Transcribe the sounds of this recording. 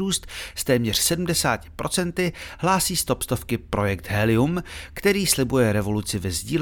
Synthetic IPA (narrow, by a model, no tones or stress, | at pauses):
uːst̪st̪ɛːmɲɛr̝̥sɛdm̩dɛsa̰ːcɪ̥pɾʔo̞t͡sɛnt̪ɪɦlaːsiːst̪o̞pst̪o̞fkɪpɾʔo̞jɛk̚t̪ɦɛlɪumkt̪ɛɾiːslɪbujɛɾɛvo̞lut͡sɪvɛzɟiːl